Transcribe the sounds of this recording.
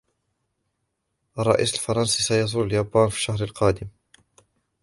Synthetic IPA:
ʔɑrˤːɑ̰ʔḭːsalfɑɾˤɑnsiːsajɑzˤʊlaljaːbaːnfiːʃːahɾalqɑːd̪ɪm

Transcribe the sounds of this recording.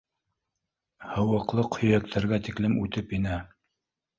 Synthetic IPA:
hɤ̆wɤ̆qlˠɤqhɵ̆jæk̚t̪ʰæɾɡæt̪iklɘmʉt̪ɘpinɘ

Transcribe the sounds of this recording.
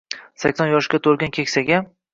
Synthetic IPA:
sakʲsɒnjɒʃɡʲat̪ʰoɾɡʲankʲʰekʲsaɡʲa

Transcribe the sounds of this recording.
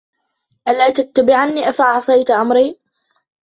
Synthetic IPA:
ʔalaːt̪at̪ːabɪʕanːiːʔafaʔɑʕsˤɑjt̪ʔamɾiː

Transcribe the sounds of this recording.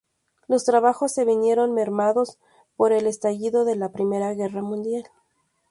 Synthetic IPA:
lo̞st̪ɾaβaxo̞sːe̞βinje̞ɾo̞nme̞ɾmaðo̞s | po̞ɾe̞le̞st̪aʝiðo̞ðe̞lapɾime̞ɾaɣe̞ramũnd̪jal

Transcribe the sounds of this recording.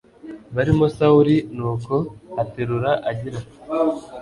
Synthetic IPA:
βaɾimo̞sauɾinuːko̞ateɾuɾaʔaɟiɾa

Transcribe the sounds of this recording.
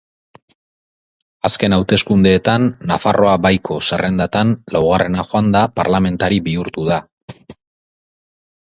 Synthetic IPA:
aske̞nawt̪e̞skund̪e̞ːt̪anːafaro̞abajkʰo̞se̞rʔe̞nd̪at̪anlawɣarʔe̞naʝo̞and̪apaɾlame̞nt̪aɾibiuɾt̪uða

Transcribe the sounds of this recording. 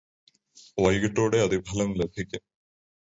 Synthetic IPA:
ʋɐjɣiʈːoːɽeɐd̪ibʱɐlɐmlebʱikʲːɐ

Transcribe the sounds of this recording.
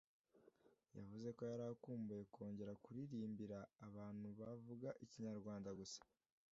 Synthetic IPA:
ja̰vuze̞ko̞jaɾakuːmbuje̞kʰo̞ːɲɟe̞ɾakuɾiɾiːmbiɾaːβaːn̥huβavuɡaʔiciɲaɾɡwaːndaɡusḁ

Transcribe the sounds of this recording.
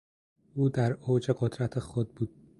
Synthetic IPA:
uːd̪æɾoːd͡ʒeɡod̪ɾæt̪ʰexod̪̚buːd̪̥̚

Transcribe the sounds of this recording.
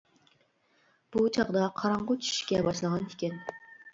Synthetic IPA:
b̥ut͡ʃʰɑʁd̪ɑqʰɑɾɑɴʁʊt͡ʃʰy̥ʃkʲɛbɑʃlˠɨʁɑnt̪ʰɪ̥kʲɛn

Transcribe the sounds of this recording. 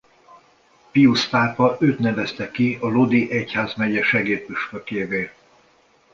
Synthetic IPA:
piust̪aːpɒʔøːt̪nɛvɛst̪ɛkiɒlod̪iʔɛchaːzmɛɟɛʃɛɡeːt̪̚pyʃføkeːveː

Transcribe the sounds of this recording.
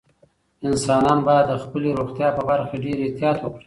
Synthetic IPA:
ɪnsɑnɑnbɑjad̪ːəxpəleɾoxt̪jɑpəbaɾxaɖeɾet̪jɑt̪wəkɽi̥

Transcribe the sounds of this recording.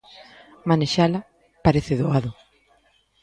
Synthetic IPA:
maneʃalɐ | paɾeθɪðoaðʊ

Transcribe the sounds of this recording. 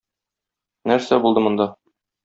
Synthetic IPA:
næɾsæbulˠd̪ɤmŏnd̪ɑ

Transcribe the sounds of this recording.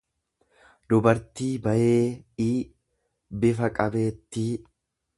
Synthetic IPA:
d̪ʊbɐɾt̪iːbɐjeːiː | bɪfɐkʼɐbe̞ːt̪ːiː

